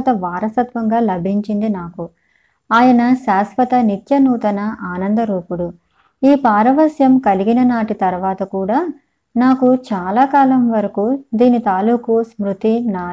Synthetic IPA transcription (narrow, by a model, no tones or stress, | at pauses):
t̪ɐʋaːɾɐsɐt̪ʋɐŋɡaːlɐbʱiɲt͡ʃind̪inaːku | aːjɐnɐʃaːsʋɐt̪ɐnit̪jɐnuːt̪ɐnɐʔaːnɐnd̪ɐɾuːpuɽu | iːpaːɾɐʋɐsjɐmkɐliɡinɐnaːʈit̪ɐɾʋaːt̪ɐkuːɽaː | naːkut͡ʃaːlaːkaːlɐmʋɐɾɐkud̪iːnit̪aːluːkusmɾut̪inaː